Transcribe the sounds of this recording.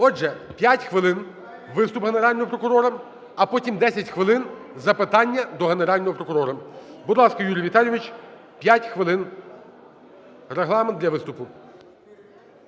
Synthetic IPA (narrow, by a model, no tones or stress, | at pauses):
ɔd͡ʒʒɛpʲjatʲxʋɪlˠɪn | ʋɪst̪ʊpɦeneɾɑlʲnɔɦɔpɾɔkʊɾɔɾɐ | ɐpɔtʲimd̪ɛsʲɐtʲxʋɪlˠɪn | zɐpɪt̪ɑnʲːɐd̪ɔɦeneɾɑlʲnɔɦɔpɾɔkʊɾɔɾɐbʊd̪lˠɑskɐjuɾʲjʋʲit̪ɑlʲjɔʋɪt͡ʃpʲjatʲxʋɪlˠɪn | reɦlˠɑmend̪lʲɐʋɪst̪ʊpʊ